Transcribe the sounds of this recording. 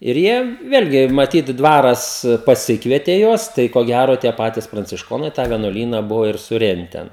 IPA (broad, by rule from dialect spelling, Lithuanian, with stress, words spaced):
ɪr ˈjiɛ ˈʋʲeːlʲɡʲɪ mɐˈtʲiːt ˈdʋɑːrɐs pɐˈsʲɪkʋʲiɛtʲeː ˈjuɔs ˈtɐɪ koː ˈɡʲæroː tʲiɛ ˈpɑːtʲɪs prɐnʲt͡sʲɪʃˈkoːnɐɪ tɑː ʋʲiɛnuɔˈlʲiːnɐ ˈbʊʋoː ɪr sʊˈrʲɛnʲtʲɛn